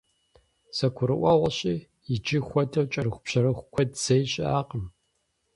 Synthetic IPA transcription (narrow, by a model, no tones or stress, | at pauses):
sɐkʷʰʊɾɨ̰ʔʷɑʁʷɐɕʼiː | jɪd͡ʒixʷɔdʰɐwt͡ʃʼɐrɨʊpɕɐɾɨxʷʊkʷʰɔdz̥ejɕʼɪaːqəm